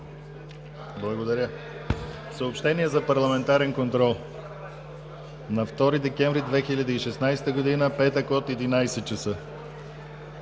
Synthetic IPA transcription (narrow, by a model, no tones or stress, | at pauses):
blˠɐɡod̪ɐɾʲjə | səopʃt̪ɛniɛzɐpɐɾlˠɐmɛnt̪aɾɛnkont̪ɾɔlˠ | nɐft̪ɔɾid̪ɛkɛɱvɾid̪vɛxilʲɐd̪əiʃɛsnajst̪əɡod̪inəpɛt̪əkot̪ɛd̪inajsɛt͡ʃɐsɤ